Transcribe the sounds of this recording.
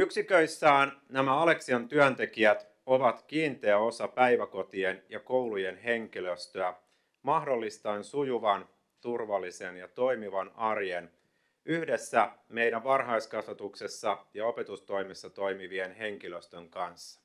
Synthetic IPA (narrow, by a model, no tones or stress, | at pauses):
yksikøisːæːnnæmæɑle̞ksiɑnt̪yænt̪e̞kiæt̪ | o̞ʋɑt̪kiːnt̪eæo̞sɑpæiʋæko̞t̪ienjɑko̞wluje̞nɦe̞ŋkiløst̪øæ | mɑhdo̞lːist̪ɑensujuʋɑn | t̪urʋɑlːise̞njɑt̪o̞imiʋɑnɑrjen | yhde̞sːæme̞jɾæʋʋɑrɦɑiskɑsʋɑt̪uksesːɑjɑo̞pe̞t̪ust̪o̞jmisːɑt̪o̞jmiʋienɦe̞ŋkiløst̪øŋkɑnsːɑ̥